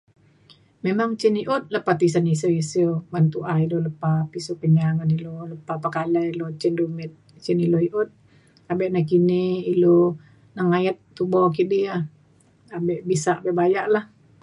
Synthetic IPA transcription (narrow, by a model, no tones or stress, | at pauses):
memaŋt͡ʃiniʔɔt̪̚ləpat̪is̬anisiisəbant̪uʔaidoləpap̪isokəɲaŋaniloləpapakalailot͡ʃindumɛt̪̚ | t͡ʃiniloiʔot̪̚ | abɛʔnakiniilo | naŋajat̪̚ːubɔk̬idia | abɛʔbisaʔbebajaʔlah